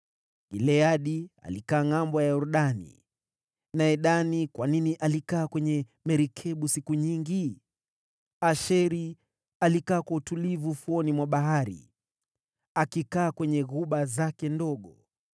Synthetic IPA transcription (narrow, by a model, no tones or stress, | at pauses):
ilɛaɗia̰likaːŋambɔjauɾuɗanḭ | naɛɗanikwaniniʔalikaːkwɛɲɛ | mɛɾikʰɛɓusikuɲiŋɡi | aʃɛɾi | alikaːkwautulivufuɔnimwaɓaɦaɾḭ | akikaːkwɛɲɛɣuɓazakɛndɔɠɔ